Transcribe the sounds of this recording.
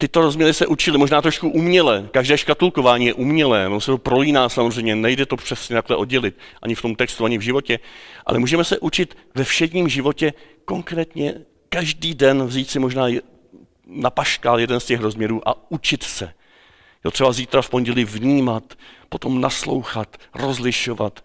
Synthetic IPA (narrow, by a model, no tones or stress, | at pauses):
t̪ɪt̪o̞ɾozmɲɛɾɪsɛʔut͡ʃɪlɪmo̞ʒnaːt̪ɾoʃkuʔumɲɛlɛːkaʒdɛːʃkat̪ulko̞vaːɲiːjɛʔumɲɛlɛːnomsɛt̪o̞pɾo̞liːnaːsamozrɛjmɲɛnɛjdɛt̪o̞pr̝̥ɛsɲɛt̪aklɛʔo̞dɟɛlɪt̪̚ʔa̰ɲɪft̪o̞mt̪ɛkst̪uaɲɪvʒɪvo̞cɛʔa̰lʔɛ̰muːʒɛmɛsɛʔut͡ʃɪt̪ | vɛfʃɛdɲiːmʒɪvo̞cɛ | ko̞ŋkɾɛːt̪ɲɛ | kaʒdiːdɛnvziːt̪sɪmo̞ʒnaːj | napaʃkaːljɛdɛnscɛxɾo̞zmɲɛɾuːʔa̰ut͡ʃɪt̪sɛ | jot̪r̥ɛbaziːt̪ɾafpo̞nɟɛlɪvɲiːmat̪po̞t̪o̞mnaslo̞̰wxat̪ro̞zlɪʃo̞vat̪